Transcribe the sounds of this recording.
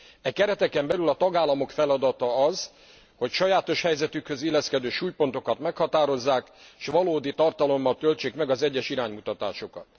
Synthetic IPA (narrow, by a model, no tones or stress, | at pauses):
ɛkɛɾɛt̪ɛkɛmbɛlylɒt̪ɒɡaːlːɒmo̞kfɛlɒd̪ɒt̪ɒɒz | ho̞cʃɒjaːt̪o̞ʃhɛjzɛt̪ykhø̞zilːɛskɛd̪øːʃuːjpo̞nt̪o̞kɒt̪mɛkhɒt̪aːɾo̞zːaːkʃʋɒloːd̪it̪ɒrt̪ɒlo̞mːɒlt̪ølt͡ʃeːkmɛɡɒzɛɟːɛʃiɾaːɲmut̪ɒt̪a̰ːʃokɒ̰t̪